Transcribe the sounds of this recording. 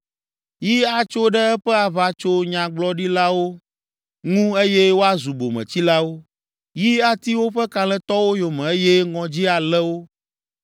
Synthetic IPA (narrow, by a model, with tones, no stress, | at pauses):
ji˦a˨t͡ʃo˦ɖɛ˦ɛ˦ɸɛ˦a˨βa˨t͡ʃo˦ɲã˨ɡ͡blɔ˦ɖi˦la˦wo˦ | ŋũ˦e˦jɛ˦wo˦a˦zu˨bo˨mɛ̰̃˨t͡ɕi˦la˦wo˦ | ji˦a˦t̪i˦wo˦ɸɛ˦ka˨lɛ̃˦t̪ɔ˦wo˦jo˨mɛ̃˨e˦jɛ˦ŋɔ̃˨d͡ʑi˦a˨lɛ˦wo˦